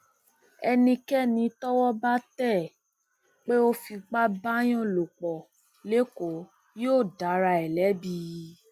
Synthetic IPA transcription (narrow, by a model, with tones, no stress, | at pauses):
ɛ˧nĩ˧kɛ˦˨nĩ˧tɔ˦wɔ˦ba˦tɛ˦˨ | k͡pe˦o˦fi˧ɡ͡ba˦ba˦j̃ɔ̃˦˨lo˨k͡pɔ˨ | le˦ko˨˦ | joː˦˨da˨˦ɾa˧ɛ˨lɛ˨˦bi˧˦